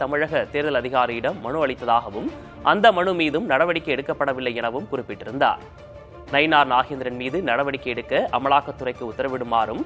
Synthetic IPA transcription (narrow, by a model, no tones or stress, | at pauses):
t̪ɐmɪɻɐɣɐt̪eːɾðɐlɐðɪɣaːɾijɪɽɐmːɐɳɯɐɭɪt̪ːɐðaːɣɐʋɯm | ʔɐnd̪ɐmɐɳɯmiːðɯmnɐɽɐʋɐɽɪkːɐɛɽɯkːɐpːɐɽɐʋɪlːɐɛnɐʋɯmkʊrɪpːɪʈːɪɾɯnd̪a̰ːɾ | nɐɪnaːɾnaːɣeːnd̪ɪɾɐnmiːðɯnɐɽɐʋɐɽɪkːɐɛɽɯkːɐʔɐmɐɭaːkːɐt̪ːɯrɐɪkːɯʊt̪ːɐɾɐʋɪɽɯmaːɾɯm